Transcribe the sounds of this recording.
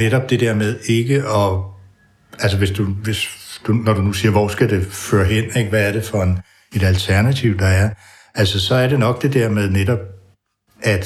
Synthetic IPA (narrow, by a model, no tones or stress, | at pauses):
neɾ̥ɒ̽b̥d̥e̝d̥eɐ̰með̞ˠe̝ɡ̥əɒ̽ | ælsəʋe̝sd̥uʋe̝sd̥unɒɾ̥unusiːɐʋɒ̰sɡ̥æd̥e̝fø̰ːɐɦen̰e̝ɡ̥əʋæːɐɾ̥e̝fɒ̽en | e̝d̥ælt͡sʰæɐnæt͡sʰiʊ̰d̥ɑ̈æɐ | ælsəsɒ̽æɐɾe̝nɒ̽ɡ̥̚d̥e̝d̥ɛɐ̰með̞ˠneɾ̥ɒ̽b̥̚ | ʔæd̥